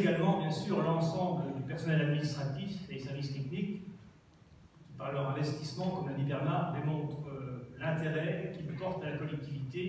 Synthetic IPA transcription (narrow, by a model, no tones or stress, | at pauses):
eɡalmɑ̃bjɛ̃syʁlɑ̃sɑ̃bləd̪ypɛʁsɔnɛlad̪minist̪χat̪ifed̪esɛʁvist̪ɛknik | paʁlœʁɛ̃vɛst̪ismɑ̃kɔmlənibɛʁnaʁd̪emɔ̃t̪χəlɛ̃t̪eʁɛkʲiləpɔʁt̪alakɔlɛk̚t̪ivit̪e